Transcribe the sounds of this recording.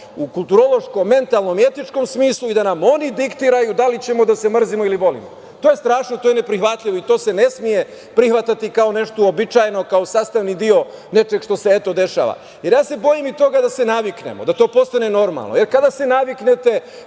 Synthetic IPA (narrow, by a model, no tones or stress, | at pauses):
ukulˠt̪uɾo̞lˠo̞ʃko̞mːe̞nt̪alˠno̞mie̞t̪it͡ʃko̞msmiːslˠuid̪anamo̞nid̪ikt̪iɾajud̪alit͡ɕe̞mo̞d̪ase̞mr̩zimo̞ilibo̞lḭmo̰ | t̪oːje̞st̪ɾaːʃnot̪ojene̞pɾixʋat̪ʎʲiʋoit̪o̞ːse̞ne̞smije̞ | pɾixʋat̪at̪ikaone̞ʃt̪oobit͡ʃajno̞kaosaːst̪aʋnid̪io̞ne̞t͡ʃe̞ɡʃt̪o̞seet̪o̞d̪e̞ʃa̰ʋa̰ | jeɾjaːse̞bo̞jimit̪o̞ɡad̪ase̞naʋiknḛmo̰d̪at̪o̞ːpo̞st̪ane̞no̞ɾma̰lˠnoje̞ɾkad̪ase̞naʋikne̞t̪e̞